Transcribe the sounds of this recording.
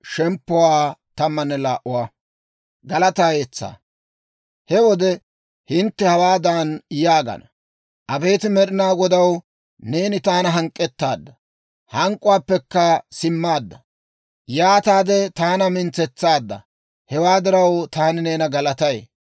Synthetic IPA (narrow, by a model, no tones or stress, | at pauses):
ʃɛmpːʊwaːt̪ɐmːɐnːɛlaːʔʊwa | ɡɐlɐt̪aːjeːt͡sːa̰ː | hɛwɔd̪ɛ | hɪnt̪ːɛhɐwaːd̪aːnjaːɡɐ̰nɐ | ʔɐbe̞ːt̪ɪmɛɗɪnaːɡɔd̪ɐw | ne̞ːnɪt̪aːnɐɦɐŋkʼːɛt̪ːaːd̪ːɐ | hɐŋkʼʊwaːpːɛkːɐsɪmːaːd̪ːɐ | jaːt̪aːd̪ɛt̪aːnɐmɪnt͡sɛt͡sːaːd̪ːɐ̰ | hɛwaːd̪ɪɾɐwt̪aːnɪne̞ːnɐɡɐlɐt̪ɐj